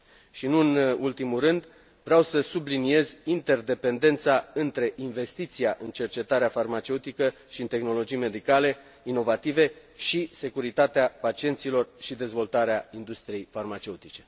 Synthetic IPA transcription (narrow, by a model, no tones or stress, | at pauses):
ʃinuɨnult̪imurɨnd̪ | vɾeawsəsublinie̞zʲint̪e̞rd̪e̞pe̞nd̪e̞nt̪saɨnt̪ɾe̞ʔinve̞st̪it̪sijaʔɨnt͡ʃe̞rt͡ʃe̞t̪aɾeafarmat͡ʃe̞ut̪ikə | ʃiɨnt̪e̞xno̞lo̞d͡ʒijme̞d̪ikale̞ | ino̞vat̪ive̞ | ʃise̞kuɾit̪at̪eapat͡ʃie̞nt̪silo̞rʃid̪e̞zvo̞lt̪aɾeaind̪ust̪ɾije̞jfarmat͡ʃe̞ut̪it͡ʃe̞